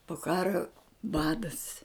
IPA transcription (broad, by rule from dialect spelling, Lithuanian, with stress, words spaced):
poː ˈkɑːroː ˈbɑːdɐs